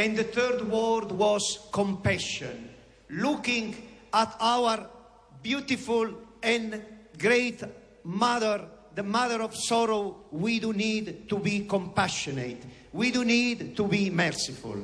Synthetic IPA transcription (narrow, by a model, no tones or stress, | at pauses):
ɛ̃nd̪əθɜɾd̪wɔɾd̪wɔzkɔ̃mpaʃɔ̰̃n | lukĩŋɡat̪awəɾ | bjut̪ifulɛ̃nɡɾejt̪ | maðəɾðəmaðəɾɔvsɔɾowid̪unid̪t̪ubikɔ̃mpaʃɔnḛt̪ | wid̪unid̪t̪ubimɛɾsifṵl